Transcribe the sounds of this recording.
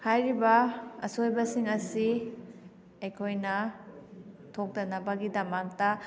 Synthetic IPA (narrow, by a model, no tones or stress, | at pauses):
hajɾibɐɐ̰sojbɐsiŋɐsi | ejkʰojnɐ | tʰok̚tɐnɐbaɡidɐmak̚ta